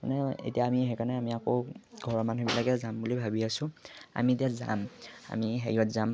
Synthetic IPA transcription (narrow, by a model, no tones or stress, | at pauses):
manɛḛtijaːmiɦɛkanɛamiakoɡʱɔɹɔmanubilaɡɛzambulibʱabiasʊ̃a̰mietijaza̰ma̰miɦḛɹiɔtzam